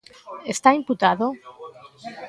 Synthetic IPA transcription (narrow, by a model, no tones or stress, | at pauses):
est̪aimput̪aðo